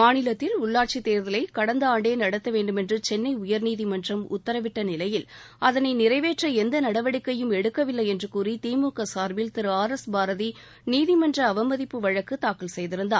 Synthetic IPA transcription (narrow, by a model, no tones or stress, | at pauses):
maːnɪlɐt̪ːɪlʊɭːaːɾt͡ʃit̪ːeːɾðɐlɐɪkɐɽɐnd̪ɐaːɳɖeːnɐɽɐt̪ːɐʋeːɳɖɯmɛndrɯt͡ʃɛnːɐɪʊjɐɾniːðimɐndrɐmʊ̰t̪ːɐɾɐʋɪʈːɐnɪlɐjɪl | ɐðɐnɐɪnɪɾɐɪʋeːʈrɐɛnd̪ɐnɐɽɐʋɐɽɪkːɐjɯmɛɽɯkːɐʋɪlːɐɪɛndrɯkuːrit̪iːmuːkɐsaːɾʋɪlt̪ɪɾɯaːɾɛsbaːɾɐði | niːðimɐndrɐːʋɐmɐðɪpːɯʋɐɻɐkːɯt̪aːkɯlsɛjðɪɾɯnd̪aː